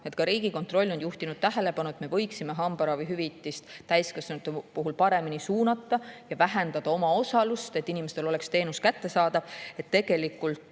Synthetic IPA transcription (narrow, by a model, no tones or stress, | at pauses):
e̞t̪kɑɾiːɡiko̞nt̪ro̞lʲːo̞njuht̪inud̪̥̚t̪æɦe̞le̞pɑnuet̪me̞vɤ̞jksime̞ɦɑmbɑɾɑvijɦyvit̪ːˑist̪t̪æjskɑsnt̪ːepuɦulpɑɾe̞minisuːnɑt̪ˑːɑjɑvæɦe̞nd̪ɑd̪̥ɑo̞mɑo̞sɑlust̪e̞t̪ːinimest̪elo̞le̞kst̪e̞ːnuskæt̪ːesɑːd̪ɑv̥e̞t̪ːe̞ɡ̥e̞likːˑult̪